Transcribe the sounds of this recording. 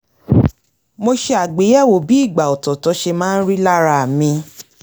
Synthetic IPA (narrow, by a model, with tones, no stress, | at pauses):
mo˧ʃe˧a˨ɡ͡be˨˦jɛ˦˨wo˨˦bi˨˦i˦˨ɡ͡ba˨ɔ˨tɔ˨tɔ˨˧˦ʃe˧mãː˦n̩˦ɾi˦la˦ɾa˦˨mĩ˧